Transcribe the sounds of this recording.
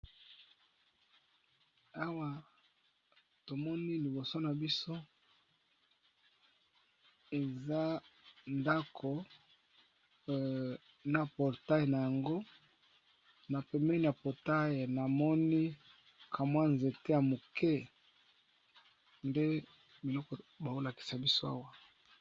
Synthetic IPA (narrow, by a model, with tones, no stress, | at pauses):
a˦wa˨ | to˨mɔ˦ni˦li˨bo˨so˦na˨bi˦so˦ | e˨za˦nda˦kʰo˨ | na˨pɔ˨ʁta˦je˨na˨ja˨ŋɡo˦ | na˨pɛ˨mɛ˦ni˨a˨pɔ˨ta˦je˨na˨mɔ˦ni˦ | kʰa˨mwa˦nze˨te˦ja˨mo˨kɛ˦ | nde˦ | bi˨lɔ˦kɔ˨ba˨o˦la˨ki̥˨sa˨bi˦so˦a̰˦wa˦